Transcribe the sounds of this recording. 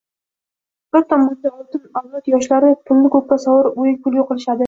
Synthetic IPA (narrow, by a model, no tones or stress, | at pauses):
b̥ɪɾt̪ʰɒmːɒnd̪aɒlˠt̪ɨnawlˠat̪jɒʃlaɾɪpʰʊlˠnɪkʰɵp̚kʲasɒwɑɾojɪpʰʊlˠjoqʰɨlɪʃad̪ɪ